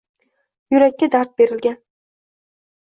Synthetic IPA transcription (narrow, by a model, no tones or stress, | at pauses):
jʊɾakʲːad̪aɾt̪̚be̞ɾɪlɡʲan